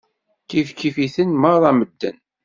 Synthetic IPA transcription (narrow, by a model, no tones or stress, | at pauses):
kifkifiθənməðˤɑməd̪ːə̰n